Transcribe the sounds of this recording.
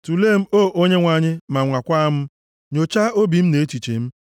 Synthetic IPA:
tu˨le˦˨m̩˦o˦˨ʔo˦ɲe˦ŋʷa˨ɲɪ˦ma˨ŋʷa˨kʷa˦m̩˦ | ɲo˨t͡ʃa˦o˦bi˨m̩˦ne˨˦t͡ʃi˨t͡ʃḛ˨m̩˦

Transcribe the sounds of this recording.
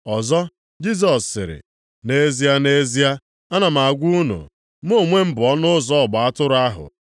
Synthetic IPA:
ɔ˨zɔ˦ | d͡ʒi˦s̬ɔ˨ssɪ̰˨ɾɪ̰˨ | ne˦zi˦a˦ne˦zi˦a˦ | a˦na˨m̩˨a˨ɡʷu˦nṵ˨ | m̩˦o˦˨ŋʷe˦m̩˦bʊ˨ɔ˦nʊ˦zɔ˦˨ɡ͡ba˨a˦tʊ˦ɾʊ˦a˦ɦʊ̰˨

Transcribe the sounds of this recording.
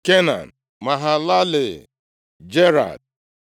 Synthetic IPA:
ke˦na̰˨n | ma˨ɦa˨la˦lɪ˨ | d͡ʒe˦ɾa̰˨d̚

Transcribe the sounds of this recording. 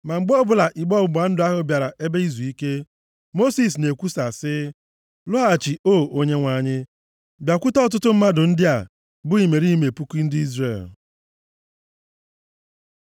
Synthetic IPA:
ma˨ŋ͡m̩˨ɡ͡bɔ˦bʊ˨la˨ʔi˨ɡ͡bɔ˦bʊ˨ɡ͡ba˨n̩˦dʊ˦a˦ɦʊ˦bja˨ɾa˨ʔe˦be˦i˦zu˨i˦ke˦ | mo˦si˨s̬ne˨kʷu˦sa˨sɪ˦ | lʊ˦ɦa˦˨t͡ʃi˨oː˦˨o˦ɲe˦ŋʷa˨˦˨ɲɪ˦ | bja˨kʷʊ˦tɔ˦ɔ˦t̬ʊ˦tʊ˦m̩˦ma˦dʊ˨n̩˦dɪ˦a̰˨ | bʊ˦i˨me˨ɾi˦me˨pu˦ki˦n̩˦dɪ˦i˦zrḛ˨l

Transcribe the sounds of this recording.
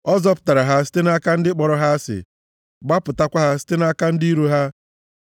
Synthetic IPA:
ɔ˦zɔ˦pʊ̥˨ta˨ɾa˨ɦa˦s̬ɪ̥˦tɪ˦na˦ka˦n̩˦dɪ˦k͡pɔ˨ɾɔ˦ɦa˦sɪ̰˨ | ɡ͡ba˦pʊ˨ta˦kʷa˦ɦa˦sɪ̥˦tɪ˦na˦ka˦n̩˦dɪ˦i˦ɾu˦ɦa˦

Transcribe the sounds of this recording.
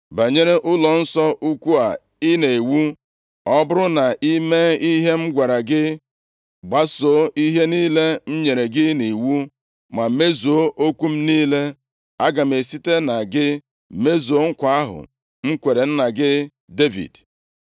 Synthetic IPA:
ba˨ɲe˦ɾe˦ʔʊ˦lɔ˨n̩˦sɔ˦ʔu˦kʷu˦a˨ | i˦ne˨e˨wu˦ | ɔ˦bʊ˦ɾʊ˦na˨ʔi˦me˦i˦ɦe˦m̩˦ɡʷa˨ɾa˨ɡɪ˦ | ɡ͡ba˦so˨˦i˦ɦe˦niː˦le˦m̩˦ɲe˨ɾe˨ɡɪ˦ni˨wu˦ | ma˨˦me˦zoo˦ʔo˦kʷu˦m̩˦niː˦le˦ | a˦ɡa˨m̩˨e˨si˦te˦na˨ɡɪ˦ | me˦zo˨˦ŋ̩˦kʷa˦a˦ɦʊ̰˨ | ŋ͡m̩˦kʷe˨ɾe˨n̩˦na˨ɡɪ˦ | de˦vḭ˨d

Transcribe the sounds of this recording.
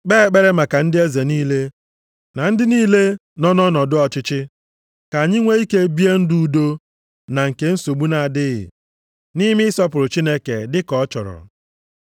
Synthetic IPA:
k͡pe˦˨k͡pe˦ɾe˦ma˨ka˨n̩˦dɪ˦e˦ze˨niː˦le˦ | na˨n̩˦dɪ˦niː˦le˦ | nɔ˦nɔ˦nɔ˨dʊ˦ɔ˨t͡ʃɪ˦t͡ʃɪ˦ | ka˨ɲɪ˦ŋʷe˦i˦ke˦bi˦e˦n̩˦du˦u˨do˦ | na˨ŋ̩˨ke˦n̩˦so˨ɡ͡bu˦na˨a˨dɪ˦ɣɪ̰˨ | ni˦mɪ˦ɪ˦sɔ˦pʊ˨ɾʊ˨t͡ʃi˦ne˦ke˨dɪ˦kɔ˨˦t͡ʃɔ̰˨ɾɔ̰˨

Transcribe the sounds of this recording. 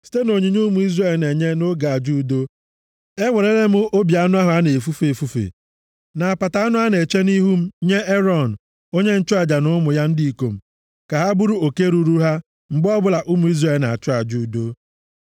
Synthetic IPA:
si̥˦te˦no˨ɲi˨ɲu˦mu˨˦i˦zre˦˨lne˨ɲe˦no˦ɡa˨a˨d͡ʒu˦do˦ | e˦ŋʷe˨ɾe˦le˦mʊ˦o˦bja˨˦nʊ˦a˦ɦʊ˨a˦ne˨fu˦fe˨fu˦fḛ˨ | na˨a˨pa˨ta˨a˦nʊ˦a˦ne˨t͡ʃe˦ni˦ɦu˦m̩˦ɲe˦ʔe˦ɾɔ˨n̩˨ | o˦ɲe˦n̩˦t͡ʃʊ˦a˨d͡ʒa˨nʊ˦mʊ˨ja˦n̩˦di˦i˨ko̰˨m̩˨ | ka˨ɦa˦bu˦ɾu˦o˨ke˦ɾu˦ɾu˦ɦa˦ | ŋ͡m̩˨ɡ͡bɔ˦bʊ˨la˨ʔʊ˦mu˨i˦zre˦˨lna̰˨t͡ʃʊ˦a˨d͡ʒu˦u˨˦do˦

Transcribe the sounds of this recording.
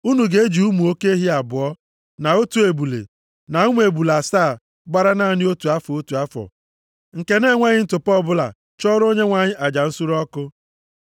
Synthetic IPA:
u˦nu˨ɡe˨˦e˦d͡ʒi˨u˦mu˨o˦ke˦e˦ɦi˦a˨bʊ˨ɔ˦ | na˨o˦tu˨˦e˨bu˨lḛ˨ | na˨u˦mʷ˦e˨bu˨la˨saː˦˨ | ɡ͡ba˦ɾa˦na˦˨nɪ˦o˦tu˨a˦fɔ˨o˦tu˨a˦fɔ̰˨ | ŋ̩˨ke˦ne˦˨ŋʷa˦ɲɪ˦n̩˦tʊ˨pɔ˦˨bʊ˦la̰˨ | t͡ʃɔ˦ɾo˦ɲe˦ŋʷa˨ɲɪ˦ʔa˨d͡ʒa˨n̩˦su˦ɾɔ˦kʊ˦

